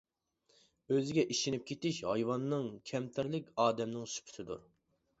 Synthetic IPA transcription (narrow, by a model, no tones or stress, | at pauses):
øzɪɡʲɛʔiʃinɪp̚kʲʰet̪ɪʃɦɑjwɑnːɨŋkʲʰɛmt̪ʰɪɾlɪkʲɑːd̪ɛmnɪŋsy̥pʰy̥t̪ʰɪd̪ṵɾ